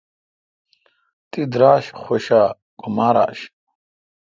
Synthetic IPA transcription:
t̪id̪ɾaːɕχoɕa | ɡ̥umaːɾa̰ːɕ

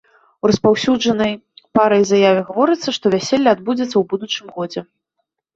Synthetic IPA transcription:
urɐspawsʲuʐɐnɐjpaɾɐjzajavʲɛɣavɔɾɨt̪sːɐʂt̪ɔvʲæsʲɛlʲːɐːd̪̚bud͡zʲɐt̪sːɐwbud̪ut͡ʂɨmɣɔd͡zʲɛ

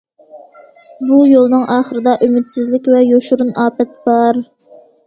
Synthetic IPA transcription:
bujolˠnɨŋʔɑːχəɾɨd̪ɑʔymɪt̪sɪzlɪkʲvɛjoʃuɾunɑːpɛt̪̚bɑɾ

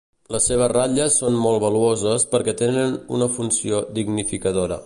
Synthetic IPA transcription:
ləsːeβ̞əraʎəsːonmolˠβəluozəspəɾkɛt̪enənṵnəfunsiod̪iɡnifikəðoɾə̰

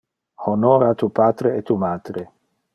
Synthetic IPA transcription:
honoɾat̪upaːt̪ɾeet̪umaːt̪ɾe

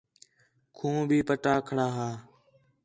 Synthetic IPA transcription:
kʰũːbʱiːpəʈaːkʰəɽaːɦaː

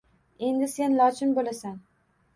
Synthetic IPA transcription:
e̞nd̪ɪse̞nlɒt͡ʃʰɪnbolasan

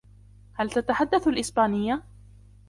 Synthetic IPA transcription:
halt̪at̪aħad̪ːaθalʔɪsbaːnɪjːa

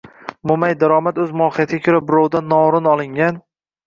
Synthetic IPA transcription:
momajd̪aɾɒmat̪ɵzmʊɒqɪjat̪ʰɪɡʲakʲʰɵɾabɪɾɒwd̪anːɒʊɾɪnɒlˠɪŋɡʲan

